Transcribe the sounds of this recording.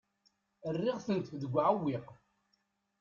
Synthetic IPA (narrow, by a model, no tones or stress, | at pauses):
ərːɪʁθənt̪ðəɡʷːʕawːiq